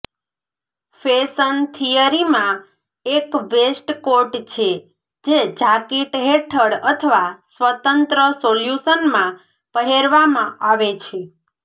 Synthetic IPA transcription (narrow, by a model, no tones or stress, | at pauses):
fesənt̪ʰijəɾimã | ekʋesʈkoɾʈt͡ʃʰe | d͡ʒed͡ʒakeʈɦeʈʰəɽət̪ʰəʋasʋət̪ənt̪ɾəsoljusənmã | pəɦeɾʋamãaʋet͡ʃʰe